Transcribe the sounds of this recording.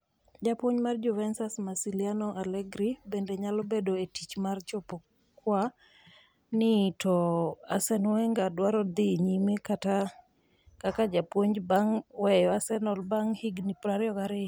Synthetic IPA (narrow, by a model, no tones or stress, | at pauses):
d͡ʒapwoɲmard͡ʒʊvɛnsasmasilianɔʔalɛɡɾibendeɲalɔbedoetit͡ʃmart͡ʃɔpɔ | kwa | nɪtʰɔasɛnwɛŋɡadwaɾɔd̪iɲimekata | kakad͡ʒapwoɲbaŋwɛjɔasɛnɔlbaŋhiɡnipɾaɾɪɔɡaɾɪ